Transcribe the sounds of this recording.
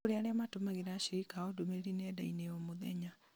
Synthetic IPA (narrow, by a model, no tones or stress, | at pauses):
oɾeaɾeamatomaɣeɾaːʃiɾikaodomeɾinɛdaineomoðɛɲa